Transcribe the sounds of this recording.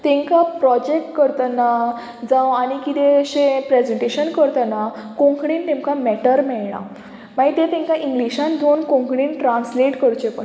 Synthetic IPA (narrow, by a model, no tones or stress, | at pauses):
t̪ẽŋkapɾɔd͡ʑek̚ʈ̚kəɾt̪ana | d͡zãwañikit̪eɕẽpɾed͡ʑeɳʈeɕənkəɾt̪anakõŋkʰɽiːnt̪ẽŋkamɛʈəɾmɛɭɳ̃ã̰ | maɡit̪ẽt̪ẽŋkaʔĩŋɡliɕãnd̪onkõŋkʰɽiːnʈɾansleʈkəɾt͡ɕepə